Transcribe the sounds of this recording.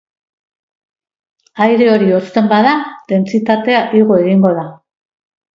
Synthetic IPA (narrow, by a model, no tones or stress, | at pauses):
ajɾe̞o̞ɾio̞st̪e̞mbaðad̪e̞nt͡sit̪at̪e̞aʔiɣo̞eɣiŋɡo̞ð̞a